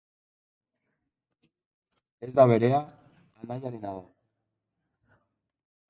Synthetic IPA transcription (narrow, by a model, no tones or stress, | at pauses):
e̞zd̪aβe̞ɾeaː | naʎaɾenaða